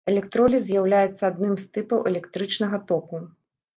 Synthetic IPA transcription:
ɛlʲɛkt̪ɾɔlʲizʲjawlʲajɛt̪sːɐad̪nɨmst̪ɨpɐwʔɛlʲɛkt̪ɾɨt͡ʂnɐɣɐt̪ɔpu

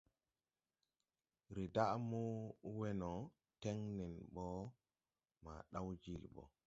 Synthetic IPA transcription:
ɾidaʔmuwɛnɔ | tɛŋnɛnɓɔ | ma̰ɗawd͡ʒilɓɔ̰

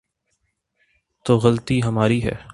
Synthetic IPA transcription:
t̪oːɣɐlt̪iɦɐmaːɾiɦɛ̰ː

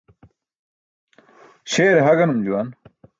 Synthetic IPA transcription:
ɕeːɾeɦɐɡɐnumd͡ʑuwɐn

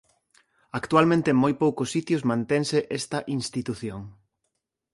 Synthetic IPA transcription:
akt̪ualmẽnt̪eeŋmojpowkʊsːit̪jʊzmãnt̪eŋseʔest̪ɐʔinst̪it̪uθjoŋ

